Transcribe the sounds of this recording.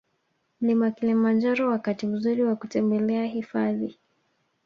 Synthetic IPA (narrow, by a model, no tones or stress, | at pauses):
m̩limakilimand͡ʒaɾɔwakatim̩zuɾiwakutɛmbɛlɛaɦifaði